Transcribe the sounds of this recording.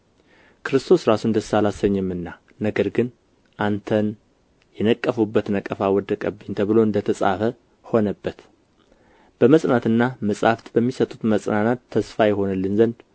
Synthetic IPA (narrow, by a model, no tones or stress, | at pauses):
kʰɨɾɨst̪ʰo̞sɾasund̪əsalasəɲːɛmːɨnːa | nəɡəɾɡɨn | ʔant̪ʰən | jɛnəkʼːəfubːət̪nəkʼəfawɔd̪əkʼəbːɨɲt̪ʰəβɨloɨnd̪ət̪ʰəsʼa̰fə | ho̞nəbːət̪ | b̥əməsʼnat̪ɨnːaməsʼaft̪bəmːisət̪ʼut̪məsʼnanat̪ʰːəsfajɛɦo̞nɨlːɨnzənd̪